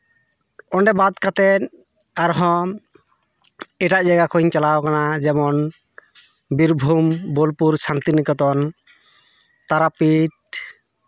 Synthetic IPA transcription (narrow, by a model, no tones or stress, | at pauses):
ɔɳɖɛbad̪kat̪ɛt̪ | aɾɦɔ̃ | ɛʈaʔd͡ʒaɡakʰɔɲt͡ʃalawkanad͡ʒɛmɔn | biɾbʱumbɔlpuɾsant̪inikɔt̪̬ɔn | t̪aɾapiʈ̚